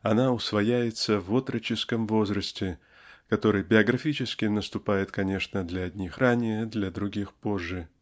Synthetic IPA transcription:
ɐnaʊsvɐjæjɪt̪səvot̪ɾət͡ɕɪskəmvo̞zɾəsʲtʲɪ | kɐt̪o̞ɾɨjbʲɪɐɡɾɐfʲit͡ɕɪskʲɪnəst̪ʊpajɪt̪kɐnʲe̞ʂnəd̪lʲɐɐdʲnʲixranʲɪjəd̪lʲɐd̪ɾʊɡʲixpo̞ʐːɨ

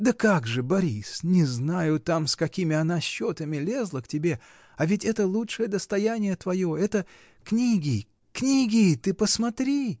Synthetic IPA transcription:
d̪əkaɡʐɨbɐɾʲisnʲɪznajʊt̪amskɐkʲimʲɪɐnaɕːot̪əmʲɪlʲe̞zlˠəktʲɪbʲe̞ | ɐvʲɪtʲɛt̪əlˠutʂɨjəd̪əst̪ɐjanʲɪjət̪vɐjo̞ɛt̪ə | knʲiɡʲɪ | knʲiɡʲɪt̪ɨpəsmɐt̪ɾʲi

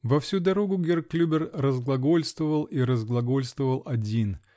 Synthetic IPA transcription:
vɐfsʲud̪ɐɾo̞ɡʊɡʲerklʲubʲɪrrəzɡlˠɐɡo̞lʲst̪vəvəlˠiɾəzɡlˠɐɡo̞lʲst̪vəvəlˠɐdʲin

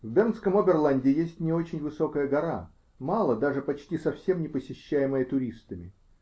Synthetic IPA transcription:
vbʲent̪skəmobʲɪrlˠanʲdʲɪɪjesʲtʲnʲɪo̞t͡ɕɪnʲvɨso̞kəjəɡɐɾa̰ | malˠəd̪aʐɨpɐt͡ɕtʲisɐfsʲe̞mnʲɪpəsʲɪɕːæjɪməjət̪ʊɾʲist̪əmʲɪ

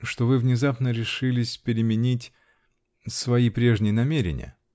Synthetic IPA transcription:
ʂt̪o̞vɨvnʲɪzapnəɾʲɪʂɨlʲɪsʲpʲɪɾʲɪmʲɪnʲitʲ | svɐipɾʲe̞ʐnʲɪjənɐmʲeɾʲɪ̰nʲɪ̰jə̰

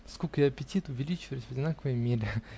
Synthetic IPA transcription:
skolʲkəjaɐpʲɪtʲit̪ʊvʲɪlʲit͡ɕɪvəjʊsʲvədʲɪnakəvəjmʲeɾʲɪ

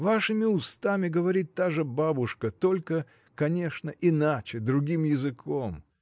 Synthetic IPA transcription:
vaʂɨmʲɪʊst̪amʲɪɡəvɐɾʲit̪ːaʐɨbabʊʂkət̪o̞lʲkə | kɐnʲe̞ʂnəʔɪnat͡ɕɪd̪ɾʊɡʲimjɪzɨkʰom

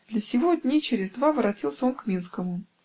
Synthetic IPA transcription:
d̪lʲəsʲɪvodʲnʲit͡ɕɪɾʲɪzd̪vavəɾɐtʲilˠsʲəo̞nkmʲinskəmʊ

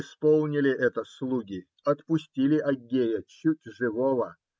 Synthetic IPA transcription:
ɪspolˠnʲɪlʲɪʔɛt̪əslˠuɡʲɪ | ɐt̪pʊsʲtʲilʲɪʔɐɡʲejət͡ɕutʲʐɨvovə

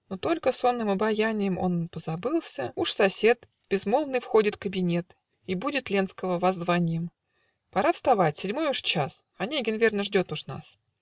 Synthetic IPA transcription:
not̪o̞lʲkəso̞nːɨmɐbɐjanʲɪjɪmo̞̰npəzɐbɨlˠsʲəuʂsɐsʲe̞t̪ | b̥ʲɪzmolˠnːɨjfxo̞dʲɪt̪kəbʲɪnʲe̞t̪ | ibudʲɪt̪lʲenskəvəvɐzːvanʲɪjɪm | pɐɾafst̪ɐvatʲsʲɪdʲmo̞jʊʂt͡ɕas | ɐnʲeɡʲɪnvʲe̞rnəʐdʲo̞t̪ʊʂna̰s

